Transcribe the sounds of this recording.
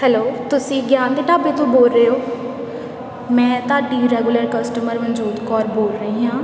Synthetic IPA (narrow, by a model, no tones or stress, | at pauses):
hɛloːt̪ʊsĩːɡjaːnd̪eːʈaːbeːt̪õːboːlɾeːɦoː | mɛ̃ːt̪aːɖiːɾɛːɡuləɾkəsʈəməɾʋə̃nd͡ʒuːd̪kɔːɾboːlɾəɦĩːɦãː